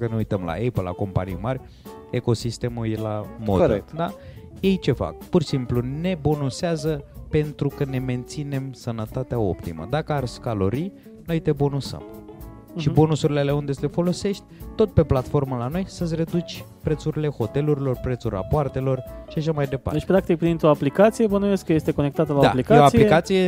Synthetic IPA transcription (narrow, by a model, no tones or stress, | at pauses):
kəneujt̪əmla̰epəla̰ko̞mpa̰nḭjmarʲ | eko̞sist̪e̞mujelamo̰d̪̰kd̪aje̞jt͡ʃe̞fa̰k̚pursimplune̞bo̞noseazəpe̞nt̪ɾukəne̞me̞nt̪sine̞msənət̪at̪eao̞̰pt̪imə̰d̪akəarʲskalo̞ɾi | no̞jt̪e̞bo̞nosə̰m | ʃibo̞nosuɾileleund̪e̞sle̞fo̞lo̞se̞ʃt̪ʲt̪o̞t̪̚pe̞plat̪fo̞rməlano̞jsəsre̞d̪ut͡ʃʲ | pɾe̞t̪suɾile̞ho̞t̪e̞luɾilo̞rpɾet̪surʲra̰poart̪e̞lo̞rʃiaʃamajd̪e̞pa̰d̪et͡ʃpɾak̚t̪ik̚pɾint̪ɾo̞aplikat̪sijebonueskəje̞st̪e̞ko̞nek̚t̪at̪əlad̪a̰likaoasiliekat̪sije̞